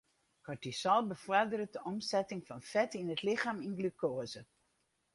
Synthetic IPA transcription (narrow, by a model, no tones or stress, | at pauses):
kʰɔɹtisɔlˠbəfɔɹdəɾədəʔɔmsɛtɪŋfɑnfɛtinətlɪχaːminɡlykoːzə